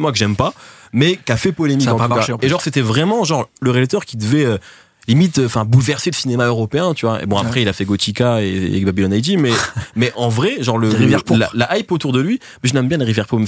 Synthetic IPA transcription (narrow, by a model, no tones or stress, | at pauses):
mwakəʒɛmpa | mɛkafɛpɔlemikɑ̃t̪ukaeʒɑ̃ʁset̪ɛvʁɛmɑ̃ʒɑ̃ʁləʁelt̪œʁkʲid̪əvɛø | limit̪øɑ̃fɛ̃bulvɛʁseləsinemaøʁɔpeɛ̃t̪yvwaḛbɔ̃apχɛilafɛɡot̪ikaebabilɔnajd̪imɛmɛʔɑ̃vʁɛʒɑ̃ʁləivjɛlalaʔajpot̪uʁd̪əlɥi | bɛʒəlɛmbjɛ̃laʁivjɛʁpo